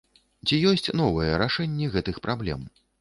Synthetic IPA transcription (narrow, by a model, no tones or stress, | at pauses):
t͡sʲijɔsʲt͡sʲn̪ɔvɐjɛɾaʂɛnʲːɛɣɛt̪ɨxpɾʔablʲɛ̰m